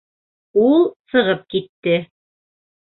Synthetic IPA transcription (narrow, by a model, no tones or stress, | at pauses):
ulˠsɤ̆ʁɤp̚kit̪ːɘ